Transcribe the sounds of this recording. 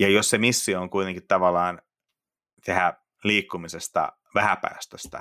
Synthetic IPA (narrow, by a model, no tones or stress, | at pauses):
jɑjossemisːiooŋkuit̪eŋkit̪t̪ɑʋɑlːˑɑːn | t̪ehæ | liːkːumisest̪ɑ̰ | ʋæhæpæ̰iʋæst̪øst̪æ̰